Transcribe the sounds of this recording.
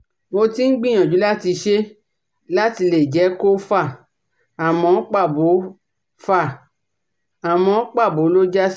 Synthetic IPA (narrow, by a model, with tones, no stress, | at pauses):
wo˧ti˦n̩˦ɡ͡bĩ˦˨j̃ã˨d͡ʒu˨˦la˦ti˧ʃe˦ | la˦ti˧le˨d͡ʒɛ˨˦ko˦fa˦˨ | a˨mɔ̃˧˦k͡pa˦˨bo˨˦ | fa˦˨ | a˨mɔ̃˧˦k͡pa˦˨bo˨˦lo˦d͡ʒa˦